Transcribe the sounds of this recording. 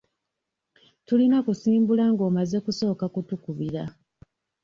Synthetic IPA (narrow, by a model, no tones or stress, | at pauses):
tulinakusiːmbulaŋɡo̞ːmaze̞kuso̞ːkakutukuβiɾa